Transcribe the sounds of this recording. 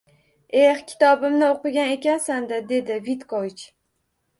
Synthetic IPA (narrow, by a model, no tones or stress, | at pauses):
ehkʲʰɪ̥t̪ʰɒbɪmnɪoqɨɡʲane̞kʲansand̪ɪd̪e̞d̪ɪvit̪kʰovɪt͡ʃ